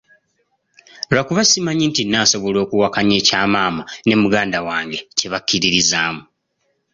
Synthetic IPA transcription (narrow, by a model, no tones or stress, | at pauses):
lakuβasimaɲintinːaːso̞βo̞lo̞ːkuwakaɲe̞ːcaːmaːmane̞muɡaːndawaːŋɡe̞ce̞βakːiɾiɾizaːmu